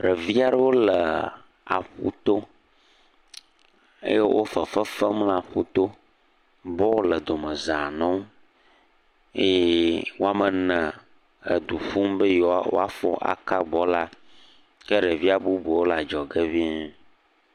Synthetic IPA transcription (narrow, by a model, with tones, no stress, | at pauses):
ɖɛ˨vi˦a˨ɖə˦wo˦lə˨ | a̰˨xṵ˦t̪o˦ | ḛ˦je˦wʔo˦fə˨fə˦fə˦ml̃a˨xu˦t̪o˦ | bɔ˦wo˦lə˨d̪o˨mə˨za˨nɔ̃˦m˦ | e˦wo˦a˦mə˨nɛ̃˨ | ḛ˨d̪u˨ɸu˦mbə˦jɔ˨a̰˦˨wo̰˦a̰˦fɔ̰˦ʔa̰˨ka˦ɡ͡bɔ˦la˦ | ke˦ɖə˨vi˦a˨bu˦bu˨wo˦la˨d͡ʒɔ˨ɡe˦vi˦